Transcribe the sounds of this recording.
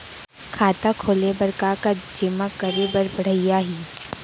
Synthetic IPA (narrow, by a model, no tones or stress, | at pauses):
kʰaːt̪akʰoːlebɐɾkakad͡ʒɪmakəɾebəɾbəɽ̤əɪjaɦiː